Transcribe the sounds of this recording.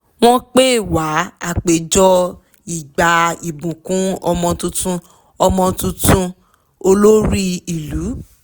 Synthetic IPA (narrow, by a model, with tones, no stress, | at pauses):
w̃ɔ̃˦k͡pe˦˨wa˨˦a̰˦˨k͡pe˨d͡ʒɔ˦ | i˨ɡ͡ba˨i˨bũ˨kũ˨˦ɔ˧mɔ̃˧tũ˧tũ˧ | ɔ˧mɔ̃˧tũ˧tũ˦ | o˧lo˦ɾi˦i˨lu˨˦